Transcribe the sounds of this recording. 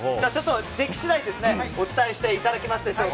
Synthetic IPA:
d͡ʑat͡ɕo̞t̪ːo̞ɾe̞kʲi̥ɕid̪aid̪e̞sɨne̞o̞t͡sɨ̥t̪aeɕi̥t̪e̞it̪ad̪akʲimasɨd̪e̞ɕo̞ː

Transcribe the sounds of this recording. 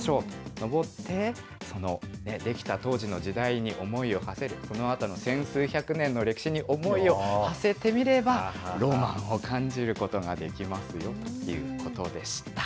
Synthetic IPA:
ɕo̞ːt̪ono̞bo̞t̪ʰːe̞ | so̞no̞ne̞d̪e̞kʲi̥t̪at̪o̞ːʑino̞d͡ʑid̪aiɲ̟iʔo̞mo̞io̞hase̞ɾɯ̟so̞no̞at̪ano̞sẽ̞ɰ̃sɨːçakɯ̟nẽ̞nːo̞ɾe̞ki̥ɕiɲ̟iʔo̞mo̞io̞hase̞t̪e̞mʲiɾe̞baɾo̞mãɰ̃o̞kʰãɲ̟d͡ʑiɾɯ̟ko̞t̪o̞ɡad̪e̞kʲimasɨjo̞t̪o̥jɯ̟̰ko̞t̪o̞d̪e̞ɕi̥t̪ḁ

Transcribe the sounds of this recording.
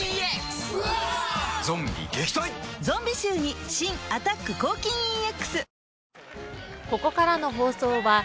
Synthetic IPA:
eks | zõ̞mbʲḭɡeçʲi̥t̪oĩzõ̞mbʲiɕɨːɲ̟iɕĩŋat̪akːɯ̟ko̞ːkʲĩɰ̃ĩekːɯ̥sɨ | ko̞ko̞kaɾano̞ɦo̞ːso̞ːβa

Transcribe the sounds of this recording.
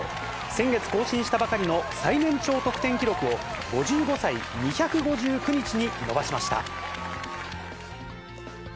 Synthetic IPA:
sẽ̞ŋɡe̞t͡sɨ̥ko̞ːɕĩɰ̃ɕi̥t̪abakaɾʲino̞sainẽ̞ɲt͡ɕo̞ːt̪o̞kɯ̥t̪ẽ̞ŋkʲiɾo̞kɯ̟o̞ɡ̥o̞ʑɨːɡo̞saiɲiçakɯ̟ɡo̞ʑɨːkɯ̟ɲ̟it͡ɕiɲ̟ino̞baɕimaɕi̥t̪a̰

